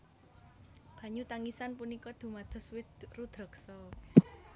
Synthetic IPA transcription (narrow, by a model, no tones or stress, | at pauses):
b̥ä̤ɲut̪aŋisanpunikɔd̪̥ṳmad̪̥ɔ̤swɪd̪rud̪̥ɾɔ̤ksɔ